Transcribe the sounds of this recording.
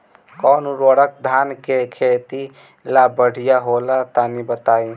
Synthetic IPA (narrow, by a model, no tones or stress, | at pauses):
kɔːnuɾoːɽək̚d̪ʱaːnkekʰeːt̪i | labəɽ̤ijaɦoːlat̪anibət̪aːi